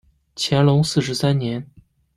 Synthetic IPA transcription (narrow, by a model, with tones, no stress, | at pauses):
t͡ɕʰjɛ˧˥nlʊ˧˥ŋsɹ̩˥˩ʂ̬ɻ̩˧˥sa˥nnjɛ˧˥n